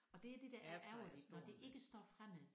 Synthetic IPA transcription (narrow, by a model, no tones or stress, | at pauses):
ɒ̽d̥e̝æɐd̥e̝d̥æʔæɐɐd̥nɒd̥e̝ʔe̝ɡ̥əsd̥ɒ̰ːfʁam̰ɛðˠ